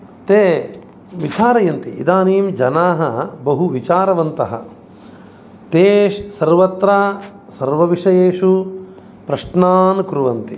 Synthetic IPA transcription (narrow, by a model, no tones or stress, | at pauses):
t̪eː | ʋit͡ʃaːɾɐjɐnt̪iʔḭd̪aːniːmd͡ʒɐnaːɦɐbɐɦuʋit͡ʃaːɾɐʋɐnt̪ɐɦɐ̰ | t̪eːʂsɐɾʋɐt̪ɾaː | sɐɾʋɐʋiʂɐjeːʂu | pɾɐʂɳaːnkɾuʋɐnt̪i